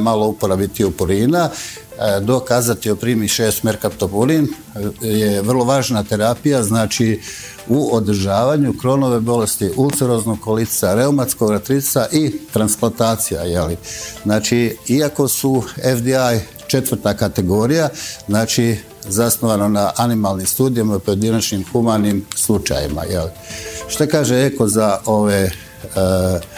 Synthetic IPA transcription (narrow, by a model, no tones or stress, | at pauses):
malo̞upoɾabit̪iopuɾiːna | d̪o̞kaːzat̪iopɾiːmiʃeːst̪meɾkapt̪opuɾin | jeʋrlˠo̞ʋaːʒnat̪e̞ɾaːpijaznaːt͡ʃi | uod̪ɾ̩ʒaːʋaɲukɾo̞no̞ʋe̞bo̞le̞st̪iʔult̪seɾoznokolisaɾe̞umat̪sko̞ɡat̪ɾisaʔit̪ɾansplˠant̪aːt̪sija̰je̞liznaːt͡ʃiiako̞suefd̪iaj | t͡ʃe̞t̪ʋəɾ̩t̪akat̪e̞ɡo̞ɾijaznaːt͡ʃi | zasnoʋananaʔanimalˠnimst̪uːd̪ijamapo̞je̞d̪inat͡ʃnimxumanimslˠut͡ʃa̰jḭma̰jḛliʃt̪akaːʒeeko̞zaoʋe